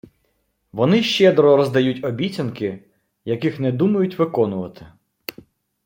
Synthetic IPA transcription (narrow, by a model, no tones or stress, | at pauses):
ʋɔnɪʃt͡ʃɛd̪ɾɔɾɔzd̪ɐjutʲɔbʲitt͡sʲɐnkɪ | jɐkɪxnɛd̪umɐjʊtʲʋɪkɔnʊʋɐt̪ɪ̥